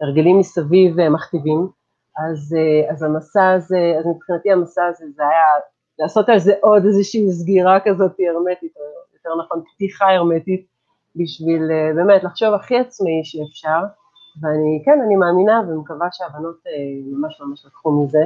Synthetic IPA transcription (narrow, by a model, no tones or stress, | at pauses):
eʁɡelimːisavivemaχt̪ivim | azeazamasaːzeazmipχinat̪iamasaːzezeaja | laːso̞talzeʔo̞dezeʃiːzɡiʁakazo̞tie̞ʁme̞titojjot̪eʁnaχo̞npt̪iχae̞ʁme̞tit̚ | biʃvilebe̞ːmetlaχʃo̞vaχiat͡smaiʃeːfʃaʁ | veanikenanimaːminavemekavaʃeabano̞temamaʃmamaʃlatχumize̞